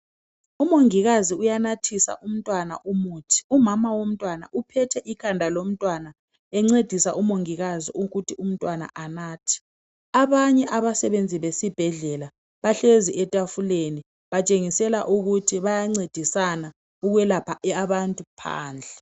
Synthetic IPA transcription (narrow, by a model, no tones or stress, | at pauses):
umoŋiɣaziujanatʰisa̰ʔum̩tʼwana̰ʔumuːtʰi̥umamawom̩tʼwana̰ʔupʰɛtʰɛʔikʰandʱalom̩tʼwana | ɛŋ͡ǀed̥ʱisaʔumoŋiɣaziʔuɣutʰium̩tʼwana̰ʔanaːtʰi̥ | aβaɲɛʔaβasɛβend͡zʱiβesib̥ʱɛɮɛla | βaɬeziʔɛtʼafuleni | βat͡ʃʼeŋisɛla̰ʔuɣutʰiβajaŋ͡ǀed̥ʱisana | uɣwɛlapʰaaβantʼupʰa̰ːnd͡ɮʱɛ